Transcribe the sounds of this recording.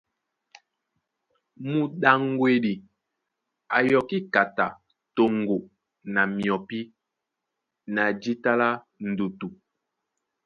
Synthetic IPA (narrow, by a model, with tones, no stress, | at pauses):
mu˨ɗa˨ŋɡwe˨ɗi˨ | a˨jɔ˨ki˦ka˨ta˨ | to˨ŋ˨ɡo˨ | na˨mi˨ɔ˨pi˦ | na˨d͡ʒi˦ta˦la˦ | n̩˨du˨tu˨